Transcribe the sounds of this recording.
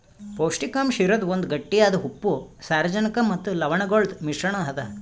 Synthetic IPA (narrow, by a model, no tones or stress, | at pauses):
poːwʂʈikamʃiɾɐd̪ond̪ɡɐʈːijaːd̪ɐɦupːusaːɾɐd͡ʒɐnɐkɐmɐt̪ːulɐʋɐɳɐɡoːɭd̪miʂɾɐɳɐɦɐd̪ɐ